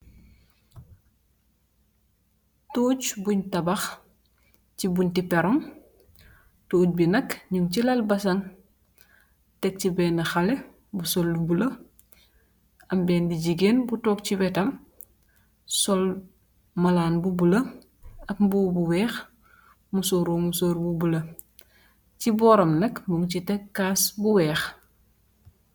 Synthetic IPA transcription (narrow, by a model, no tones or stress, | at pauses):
toːcbuɲtɐbɐx | cibuɲtipɛɾɔm | toːt̚binɐkɲuŋcilɐlbɐsɐŋ | tɛk̚cibɛːnɐxale | busɔlːubulɐ | ɐmbɛːndiɟiɡeːnbutɔːk̚cibɛtɐm | sɔl | mɐlaːnbubulɐ | ɐpmbubuwɛːx | musoɾumusoːɾbubulɐ | cibɔːɾɐmnɐkmbuŋcitɛkːaːsbuwɛːx